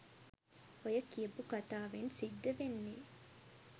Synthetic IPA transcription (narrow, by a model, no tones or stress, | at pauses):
ojəkiəbukat̪aːʋensid̪ːɐʋenːeː